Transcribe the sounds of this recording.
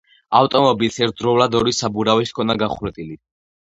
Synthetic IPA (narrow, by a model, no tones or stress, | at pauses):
aft̪ʼɔmɔbilsɛɾt̪̚ʰd̪ɾɔvlad̪ɔɾisabuɾaviskʰɔnaɡaχɾɛt̪ʼili